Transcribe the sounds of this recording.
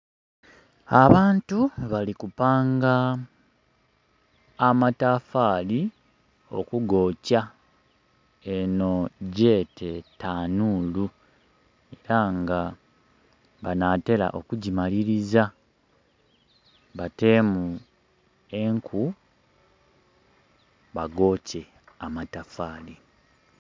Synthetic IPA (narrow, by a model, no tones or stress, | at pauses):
aβaːntuβalikupaːŋɡa | mataːfaːli | o̞̰kuɡo̞ːca | eno̞ɟe̞ːtʰe̞taːnuːlu | e̞ɾaŋɡa | βanate̞la̰ʔo̞̰kuɟimaliɾiza | βate̞mu | e̞ŋkʰu | βaɡo̞ːce̞ | amatafaːli